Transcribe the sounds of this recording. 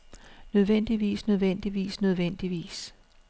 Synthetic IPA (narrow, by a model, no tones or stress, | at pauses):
nøð̞ˠʋen̰d̥iʋḭːsnøð̞ˠʋen̰d̥iʋḭːsnøð̞ˠʋen̰d̥iʋḭːs